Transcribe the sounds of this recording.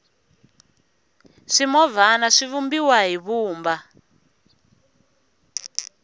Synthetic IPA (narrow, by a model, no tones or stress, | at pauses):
ʂimɔvanaʂivumbiwaɦiβuːmba